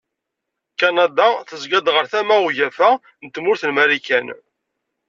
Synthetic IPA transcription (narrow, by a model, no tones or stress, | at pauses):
kɑnɑd̪ɑθəzɡæd̪ʁəɾθæmæuʝæfæ | nt̪ːmʊɾθənmæɾikæn